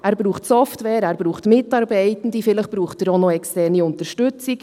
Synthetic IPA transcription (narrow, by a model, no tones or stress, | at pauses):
æːɾbɾuːχtsɔftʋɛːɾæːɾb̥ɾuːχtmɪtɑːɾbɛɪtən̩difɪləχb̥ɾuːχtəɾonoɛkstɛːɾniʊntəɾʃtʉt͡sɪk